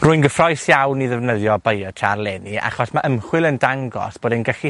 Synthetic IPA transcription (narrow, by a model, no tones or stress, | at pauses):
ruːɨjnɡəfrɔjsjawniðɛvnəðjɔbəjɔtʰarlˠɛnia̰χɔsmaʔəmχwɪlˠəndaŋɡɔ̰sb̥oːdɛnɡaχi